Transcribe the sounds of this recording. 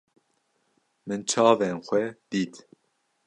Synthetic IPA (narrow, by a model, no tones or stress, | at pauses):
mɨnt͡ʃʰɑːvenxʷɛd̪̥iːt̪